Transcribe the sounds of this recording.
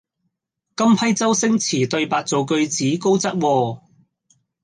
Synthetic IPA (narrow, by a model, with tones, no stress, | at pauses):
kɐ˥mpʰɐ˥jt͡sɐ˥wsɪ˥ŋt͡sʰiː˨˩t̪ɵ˧ɥpaː˨˧k̚t͡so˨wkɵ˧ɥt͡siː˨˥ko˥wt͡sɐ˥t̚wɔː˧